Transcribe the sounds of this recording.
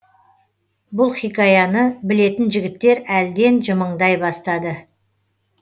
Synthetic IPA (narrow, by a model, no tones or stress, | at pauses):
bʊlˠχijkɑjɑnəbɪle̞t̪ɪnʒɪɡʲɪt̪ːe̞ɾæld̪e̞nʒəməɴd̪ɑjbɑst̪ɑd̪ə